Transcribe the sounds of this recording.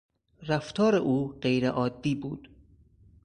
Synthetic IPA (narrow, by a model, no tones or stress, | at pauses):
ræft̪ʰɒːɾeʔuːɢejɾḛʔɒːd̪ːiːbuːd̪̥